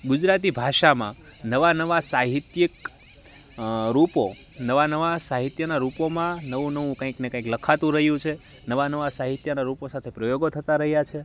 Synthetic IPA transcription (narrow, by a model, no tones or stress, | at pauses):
ɡud͡ʒɾat̪ibʱaʃamã̰nəʋanəʋasaɦit̪jək | ɾuponəʋanəʋasaɦit̪jənaɾupomãnəʋũnəʋũkə̃ĩknekə̃ĩkləkʰat̪ũɾəɦjũt͡ʃʰe | nəʋanəʋasaɦit̪jənaɾuposat̪ʰepɾəjoɡot̪ʰət̪aɾəɦjat͡ʃʰe